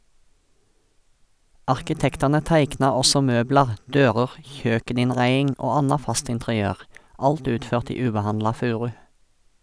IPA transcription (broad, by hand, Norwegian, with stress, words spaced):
ɑʁkɪˈtɛktɑnə ˈtæɪknɑ ˈɔsɔ ˈmøːblɑʁ ˈdøːʁəʁ ˈçøːkənɪnˌʁæɪɪŋ ˈoː ˈɑnɑ ˈfɑst ɪntʁɪˈøːʁ ˈɑlt ˈʉːtˌføːʁt ˈiː ˈʉːbəˌhɑnlɑ ˈfʉːʁʉ